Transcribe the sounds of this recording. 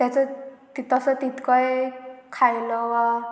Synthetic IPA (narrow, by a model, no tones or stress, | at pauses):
t̪jat͡sət̪it̪əsət̪it̪kɔjkʰajlɔʋa